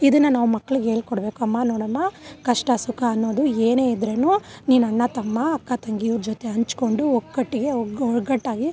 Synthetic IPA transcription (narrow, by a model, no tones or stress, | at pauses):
id̪ɐnːɐnaːʋumɐkːɐɭuɡeːɭkɔɽɐbe̞ːkuɐmːanoːɽɐmːakɐʂʈɐsukaɐnːo̞ːd̪ueːne̞ːid̪ɾenuniːnɐɳːɐt̪ɐmːaːkːat̪ɐŋɡiiʋɾd͡ʒot̪e̞ɦɐɲt͡ʃko̞ɳɖuokːɐʈːiɡe̞ɔɭɡɐʈːaːɡi